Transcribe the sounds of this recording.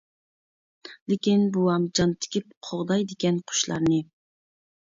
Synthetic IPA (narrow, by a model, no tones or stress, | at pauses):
lɪkʲinbuɑmd͡ʒɑnt̪ʰɪ̥kʲip̚qʰoʁd̪ɑjd̪ɪkʲɛnqʰʊ̥ʃlˠɑ̰ɾnɨ